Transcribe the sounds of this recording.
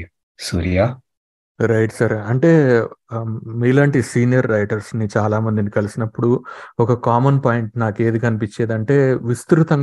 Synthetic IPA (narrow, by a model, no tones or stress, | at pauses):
suːɾijaː | ɾɐjʈsɐɾɐɳʈe̞ː | miːlaːɳʈisiːnijɐɾːɐjʈɐɾsnit͡ʃaːlaːmɐnd̪inikɐlisinɐpːuɽuɔkɐkaːmɐnpaːjiɳʈnaːke̞ːd̪ikɐnipit͡ʃːeːd̪ɐɳʈe̞ːʋist̪ɾut̪ɐŋ